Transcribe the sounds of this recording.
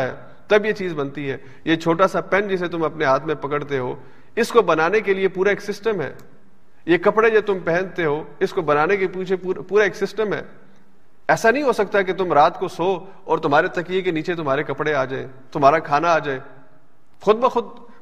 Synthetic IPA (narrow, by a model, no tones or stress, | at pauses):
ɦɛ̰ː | t̪ɐbjet͡ʃiːzbɐnt̪iɦɛː | jet͡ʃʰoːʈasapɛnd͡ʒɪs̬et̪ʊmɐpneɦaːt̪ʰmẽpɐkəɽt̪eɦo̰ː | ɪskobɐnaːnekeliepuːɾaeːksɪsʈəmɦɛ̰ː | jekɐpɽed͡ʒot̪ʊmpɛ̃ɦɛ̃nt̪eɦoːɪskobɐnaːnekepiːt͡ʃʰeːpuːɾaeːksɪsʈəmɦɛ̰ː | ɛːsanɐɦĩɦosɐk̚t̪aɛket̪ʊmɾaːt̪kosoː | ɔːɾt̪ʊmɦaːɾet̪ɐkiekeniːt͡ʃet̪̬ʊmɦaːɾekɐpɽeaːd͡ʒaːḛː | t̪ʊmɦaːɾakʰaːnaaːd͡ʒaːeː | xʊd̪̚bəxʊd̪̚